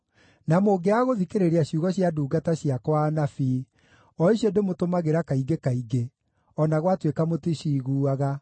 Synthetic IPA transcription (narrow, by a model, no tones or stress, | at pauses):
namoːɡeaɣoðikeɾeɾeaɕuɣɔɕjaduːɡataɕiakwanafi | ɔiɕjɔdemotomaɣeɾakaiɡekaiɡe | ɔnaɣwatwekamotiɕiːɣuːaɣa